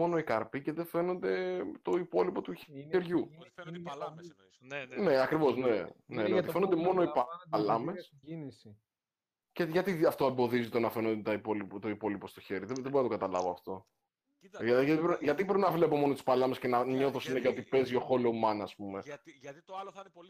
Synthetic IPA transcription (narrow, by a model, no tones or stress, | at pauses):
o̞no̞ikɐɾpice̞ðe̞fe̞no̞nd̪e̞t̪o̞ipo̞lipo̞t̪ueɾʝu | neɐkɾivo̞zne̞neeot̪ife̞nod̪emo̞noippɐlɐmes | s | ceʝɐt̪iɐft̪o̞embo̞ðizit̪onɐfe̞nond̪et̪ɐipolipot̪oipo̞lipo̞st̪oçe̞ɾiðeðeboɾinɐt̪oɡɐt̪ɐlɐvoɐft̪o̞ | ʝɐt̪ʝɐt̪ibɾʝɐt̪ibɾepinɐvle̞po̞mo̞not̪u̥spɐlɐmescenɐɲo̞θosineçɐot̪ipe̞zio̞xo̞loumɐnɐspume̞